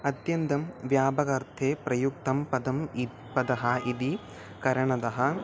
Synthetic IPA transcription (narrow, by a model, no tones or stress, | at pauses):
ɐt̪jɐnt̪ɐmʋjaːbɐɡɐɾt̪ʰeːpɾɐjuk̚t̪ɐmpɐd̪ɐm | pɐd̪ɐɦɐid̪i | kɐɾɐɳɐd̪ɐɦɐ